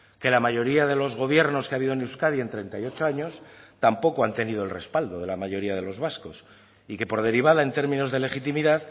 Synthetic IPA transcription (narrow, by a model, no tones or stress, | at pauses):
ke̞lamaʝo̞ɾiaðe̞lo̞zɣo̞βje̞ɾno̞skeaβiðonewskaðie̞nt̪ɾe̞nt̪ajo̞t͡ʃo̞aɲo̞st̪ampo̞koant̪e̞niðo̞e̞lre̞spald̪o̞ðe̞lamaʝo̞ɾiaðe̞lo̞zβasko̞s | ike̞po̞ɾð̞e̞ɾiβ̞aðae̞nt̪e̞ɾmĩno̞zðe̞le̞xit̪imiðað